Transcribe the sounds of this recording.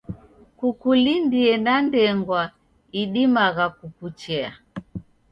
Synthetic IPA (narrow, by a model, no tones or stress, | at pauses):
kukulindiɛnandɛŋɡwa | iɗimaɣakukut͡ʃɛa